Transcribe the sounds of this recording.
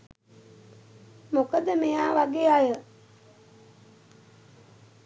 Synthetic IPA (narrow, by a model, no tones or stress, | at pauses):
mokəd̪əmejaːʋaɡeːajə